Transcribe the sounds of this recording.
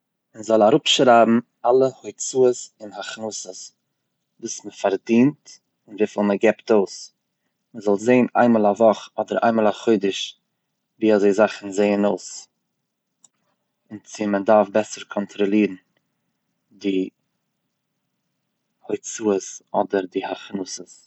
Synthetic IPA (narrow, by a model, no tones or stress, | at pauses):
ɪnzɔlˠaɾʊpʃɾaːbm̩ | alˠəhoɪt͡suːəsɪnhaχnusəs | vuːsməfaɾdiːnt | ɪnviːfilˠməɡɛptoʊs | məzɔlˠzeɪəna̰ɪnmɔːlˠavɔχɔdəɾa̰ɪnmɔːlˠaχoɪdəʃ | viːazeɪzaχn̩zeɪənoʊs | ɪnt͡sɪmədaɾfbɛsəɾkʰɔntʰɾɔlˠiːɾn̩ | dɪ | hoɪt͡suːəsɔdəɾdɪhaχnuːsəs